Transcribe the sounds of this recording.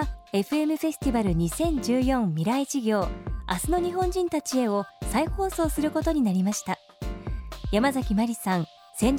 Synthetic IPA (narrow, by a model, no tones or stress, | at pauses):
e̞ɸɯ̟e̞mɯ̟ɸe̞sɨ̥t̪ʲibaɾɯ̟ɲ̟isẽ̞ɲ̟d͡ʑɨːjõ̞mːʲiɾait͡ɕiɡʲo̞ːa̰sɨno̞ɲ̟iɦõ̞ɲd͡ʑĩnt̪at͡ɕie̞o̞saiho̞ːso̞ːsɨɾɯ̟ko̞t̪o̞ɲ̟inaɾʲimaɕi̥t̪a | jamazakʲimaɾʲisãñ | sẽ̞ɲ̟